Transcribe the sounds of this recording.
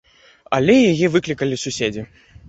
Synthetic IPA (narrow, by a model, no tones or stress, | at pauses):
ɐ̰lʲɛjajɛvɨklʲikɐlʲisusʲed͡zʲi